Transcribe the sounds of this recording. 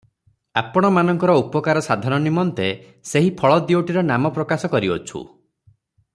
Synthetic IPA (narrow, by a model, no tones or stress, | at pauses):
apɔɽ̃ɔmanɔŋkɔɾɔupɔkaɾɔsad̪ʱanɔnimɔnt̪e | seɦipʰɔɭɔd̪ioʈiɾɔnamɔpɾɔkasɔkɔɾiɔ̰t͡ʃʰṵ